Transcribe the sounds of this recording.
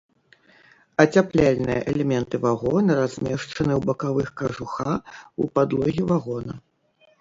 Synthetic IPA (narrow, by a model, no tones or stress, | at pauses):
ɐt͡sʲaplʲalʲnɨjɐ̰ʔɛlʲɛmʲɛnt̪ɨvaɣɔnɾazʲmʲɛʂt͡ʂɐnɨwbɐkavɨxkɐʐuxaupad̪lˠɔɣʲivaɣɔnɐ